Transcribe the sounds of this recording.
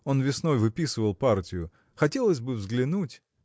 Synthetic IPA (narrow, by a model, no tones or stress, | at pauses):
o̞nvʲɪsno̞jvɨpʲisɨvəlˠpartʲɪjʊ | xɐtʲe̞lˠəsʲbɨvzɡlʲɪnutʲ